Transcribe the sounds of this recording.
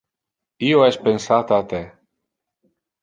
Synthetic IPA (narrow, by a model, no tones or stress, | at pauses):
ioɛspensat̪at̪e